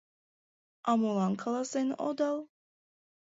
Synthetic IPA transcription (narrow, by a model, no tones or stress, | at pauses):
amulaŋkʰlˠasɛnɔ̰d̪alˠ